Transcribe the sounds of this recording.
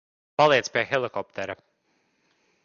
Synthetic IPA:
palˠiɛt̪spʲiɛxɛlˠikɔpt̪ɛɾɐ

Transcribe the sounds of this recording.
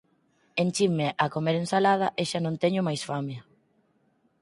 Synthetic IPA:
ent͡ʃimeʔakomeɾẽnsalað̞ɐʔeʃanõnt̪ɛɲʊmajsfamjɐ

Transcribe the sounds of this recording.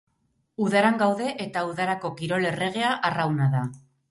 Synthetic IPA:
uðaɾaŋɡawðe̞ʔet̪auðaɾako̞kiɾo̞le̞re̞ɣ̞e̞aʔarawnaða

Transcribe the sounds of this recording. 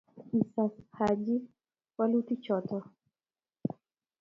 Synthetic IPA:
hisashad͡ʒi | walutit͡ʃɔtɔ

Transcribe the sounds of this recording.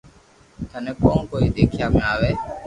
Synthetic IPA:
t̪ʰənẽːkõːnkoːiːd̪eːkʰɪjaːmẽaːʋeː

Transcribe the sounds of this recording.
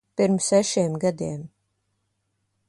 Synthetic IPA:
piɾmsɛʃiɛmɡad̪iɛm

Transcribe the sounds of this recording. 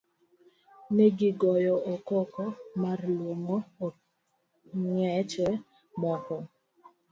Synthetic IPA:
neɡɪɡɔjɔɔkɔkɔmarlwoŋoo | ŋɲɛt͡ʃɛ | mɔkɔ

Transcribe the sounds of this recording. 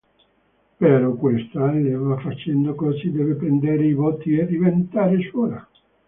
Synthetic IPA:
peɾɔkwest̪alevafːat͡ʃɛnd̪okɔzsid̪ɛvepɾend̪eɾeivot̪ːied̪ivent̪aːɾesɔːla

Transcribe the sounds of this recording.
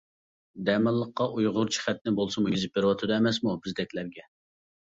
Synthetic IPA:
d̪ɛmɨlˠːəqːɑʔujʁʊɾt͡ʃʰi̥χæt̪̚nɪbolˠsɨmujyzɪp̚beɾɨwɑt̪ʰɨd̪ɑɛmɛsmubɪzd̪ɛkʲlæɾɡʲɛ

